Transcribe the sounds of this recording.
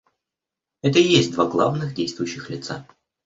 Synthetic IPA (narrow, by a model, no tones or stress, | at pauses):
ɛt̪əjesʲtʲd̪vaɡlˠavnɨxdʲejst̪vʊjʉɕːɪxlʲɪt̪sa̰